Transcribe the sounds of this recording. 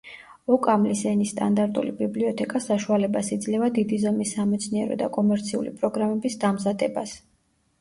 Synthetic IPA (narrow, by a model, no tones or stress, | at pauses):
ɔkʼamlisɛnist̪ʼa̰nd̪aɾt̪ʼṵlibibliɔt̪ʰɛkʼasaʃualɛbasid̪zlɛvad̪id̪izamisːamɛt̪sʰniɛɾɔ̰d̪a̰kʼɔmɛɾt̪sʰiṵlḭpʼɾɔɡɾamɛbisd̪amzad̪ɛbas